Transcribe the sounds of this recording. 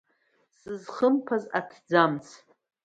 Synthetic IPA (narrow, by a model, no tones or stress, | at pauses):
sɨzχəmpʰazatʰd͡zamt͡sʰ